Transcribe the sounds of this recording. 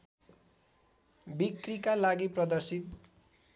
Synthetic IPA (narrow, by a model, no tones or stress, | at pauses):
bikrikalaɡiprʌd̪ʌrsit̪̚